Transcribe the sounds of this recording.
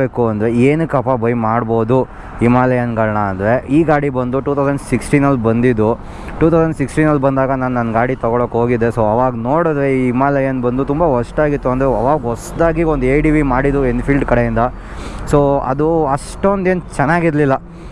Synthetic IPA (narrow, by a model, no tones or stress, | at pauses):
eːkuɐnd̪ɾeeːnukɐpabɐjmaːɽbo̞ːd̪u | imaːlɐjɐnɡɐɭɐɳaːnd̪ɾe̞iːɡaːɽibɐnd̪uʈuːt̪ʰɐwsɐɳɖsiksʈiːnɐlːbɐnd̪id̪u | ʈuːt̪ʰɐwsɐɳɖsiksʈiːnːɐlːbɐnd̪aːɡɐnaːnnɐnɡaːɽit̪ɐɡɔɭokːɦoːɡid̪ːe̞soːɐʋaːɡnoːɽid̪ɾeiimaːlɐjɐnbɐnd̪ut̪umbaɦɔʂʈaːɡit̪ːuɐnd̪ɾeɐʋaːɡɦɔsd̪aːɡiond̪eːjɖiʋimaːɽid̪uenpʰilɖkɐɽejind̪ɐ | soːɐ̰d̪uɐʂʈond̪e̞ːnt͡ʃɛnːaːɡiɾlilːɐ